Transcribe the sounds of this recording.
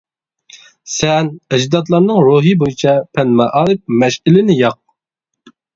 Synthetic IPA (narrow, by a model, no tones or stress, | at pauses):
sɛnɛd͡ʒd̪ɑt̪lˠɑɾnɨŋɾuɦɨbojit͡ʃʰɑpʰɛnmɛʔɑːɾɨp̚mɛʃɪlɪnɪjɑq̚